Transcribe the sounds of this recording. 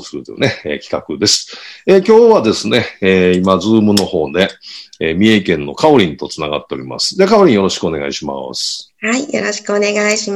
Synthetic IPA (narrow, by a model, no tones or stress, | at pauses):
sɨɾɯ̟t̪ojo̰ne̞ḛːkʲi̥kakɯ̟d̪e̞sɨ̥eːkʲo̞ːβad̪e̞sɨne̞eːimad͡zɨːmɯ̟no̞ho̞ːne̞eːmʲieikẽ̞nːo̞kao̞ɾʲĩnt̪o̞t͡sɨnaɡa̰t̪ːe̞o̞ɾima̰sɨ̥d̪ekao̞ɾĩɰ̃jo̞ɾo̞ɕi̥kɯo̞ne̞ɡa̰iɕima̰sɨ̥haijoɾoɕi̥kɯone̞ɡaiɕi